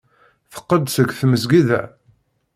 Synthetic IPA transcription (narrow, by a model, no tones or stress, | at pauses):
θə̥qːəd̪səɡθməzɡiðæ̰